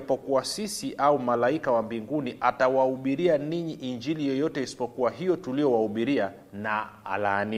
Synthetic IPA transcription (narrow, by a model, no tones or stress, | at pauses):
pɔkuwasisiʔaumalaikawambiŋɡuniʔatawauɓiɾianiɲiʔiɲd͡ʒilijɔjɔtɛisi̥pɔkuwaɦijɔtulijɔwauɓiɾia | na̰ːlani